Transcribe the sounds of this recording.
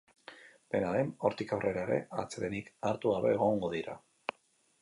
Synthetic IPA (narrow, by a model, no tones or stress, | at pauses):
b̥e̞naðe̞no̞ɾt̪ikawre̞ɾaeɾe̞̰a̰t͡seɾenikaɾt̪uɣaβo̞eɣ̞o̞ŋɡo̞ðiɾa̰